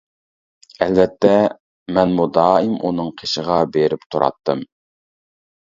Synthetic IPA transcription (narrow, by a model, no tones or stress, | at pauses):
ɛlvɛt̪ʰːɛ | mɛnmud̪ɑːimʔṵnɨŋqʰeʃəʁɑbeɾɪpt̪ʰuɾɑ̰t̪ːɨm